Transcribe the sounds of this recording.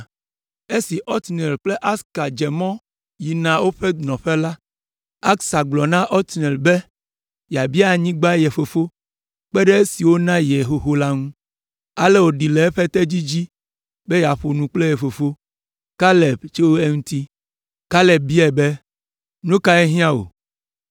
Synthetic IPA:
e˦si˨ʔɔ˦t̪nɛ˨lk͡ple˦ʔa˦ska˨d͡ʒe˨mɔ̃˦ | ji˨nã˨wo˦ɸe˦nɔ̃˨ɸe˦la˦ | a˦ksa˨ɡ͡blɔ˨nã˦ʔɔ˦t̪nɛ˨lbe˦ | ja˨bi˦a˨ɲĩ˦ɡ͡ba˦je˨fo˨fo˦ | k͡pɛ˦ɖɛ˦e˦si˨wo˦nã˦je˨ɦo˨ɦo˦la˦ŋũ˦ | a˨lɛ˦wo˨ɖi˨le˨e˦ɸe˦t̪e˦d͡ʑi˦d͡ʑi˦ | be˦ja˨ɸo˨nũ˨k͡ple˦jɛ˨fo˨fo˦ | ka˦lɛ˨bt͡ʃe˦wo˦e˦ŋũ˦t̪i˦ | ka˦lɛ˨b̚bi˦ɛ˨be˦ | nũ˦ka˦ɛ˦ɦĩ˦ã˦wo̰˨

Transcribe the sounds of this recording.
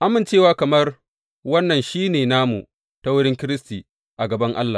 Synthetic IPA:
ʔa˦mɪ˨nt͡ʃeː˦waː˦kɐ˨mɐ˦r | wɐ˦nːɐ˨nʃiː˦neː˨naː˦mṵ˨ | ta˦wʊ˦ɽɪ˦ŋkʲɪ˦ɾɪ˦stiː˨ | ʔa˨ɡɐ˨bɐ˦ŋʔa̰˦lːa˨

